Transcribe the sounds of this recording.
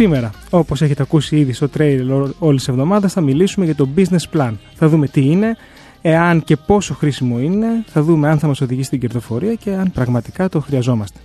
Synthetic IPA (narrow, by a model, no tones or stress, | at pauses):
ime̞ɾɐ | o̞pose̞çet̪eɐkusiiðist̪o̞t̪ɾejleɾo̞lisse̞vðo̞mɐðɐsθɐmilisume̞ʝɐt̪o̞bizne̞splɐnθɐðume̞t̪iine̞ | eɐnce̞po̞so̞xɾisimo̞ine̞θɐðume̞ɐnθɐmɐso̞ðiʝisit̪iɟe̞ɾðo̞fo̞ɾiɐce̞ɐnpɾɐɣmɐt̪ikɐt̪o̞xɾiɐzo̞mɐst̪e